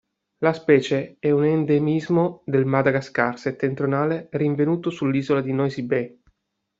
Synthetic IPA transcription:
laspɛːt͡ʃeɛunend̪emizmod̪elmad̪aɡaskarset̪ːent̪ɾjonaːleriɱvenuːt̪osulːiːzolad̪inɔjzibe

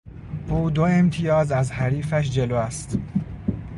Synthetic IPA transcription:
buːd̪oe̞mt̪ʰijɒːzæzhæɾiːfæʃ̬d͡ʒe̞loːæst̪

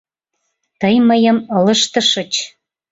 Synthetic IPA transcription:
t̪əjməjəmələʃt̪ə̆ʃə̆t͡ɕ

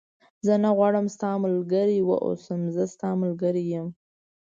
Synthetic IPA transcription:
zənaɣwɑɽəmst̪ɑmʊlɡəɾiwə̰ʔo̰səmzəst̪ɑmʊlɡəɾijəm

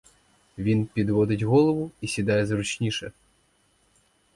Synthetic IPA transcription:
ʋʲinpʲid̪ʋɔd̪ɪdʲɣɔlˠɔʋʊisʲid̪ɑjɛzɾut͡ʃnʲiʃɛ

